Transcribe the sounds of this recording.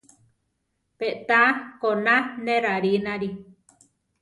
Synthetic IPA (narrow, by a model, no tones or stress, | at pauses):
peʔt̪akonãnẽɾaɾinãɾi